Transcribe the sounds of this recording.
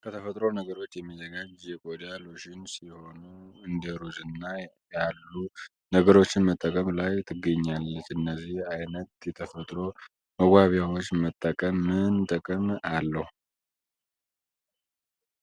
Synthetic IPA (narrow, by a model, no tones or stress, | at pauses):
kʰət̪ʰəfət̪ʼɾo̞nəɡəɾo̞t͡ʃːjɛmːizəɡad͡ʒjɛkʼod̪aloʃɪnsiho̞nuɨnd̪əɾuzɨnːajalːu | nəɡəɾo̞t͡ʃːɪnmət̪ʼːəkʼəmlajt̪ʰɨɡːəɲːalːət͡ʃːɨnːəzihajnət̪jɛt̪ʰəfət̪ʼɾo̞ | məɡʷaβjawot͡ʃːmət̪ʼːəkʼəmːɨnt̪ʼəkʼəmalːəhu